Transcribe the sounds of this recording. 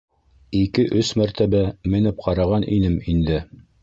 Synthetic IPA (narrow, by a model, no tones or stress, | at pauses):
ikɘʔɵsmæɾt̪æbæmɘ̆nɘp̚qʰɑɾɑʁɑnʔinɘmind̪ɘ